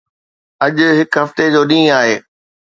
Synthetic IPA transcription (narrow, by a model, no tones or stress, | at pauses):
ɐʄʊ̆ɦɪkɦɐft̪ed͡ʑoːɗĩːaːɦeː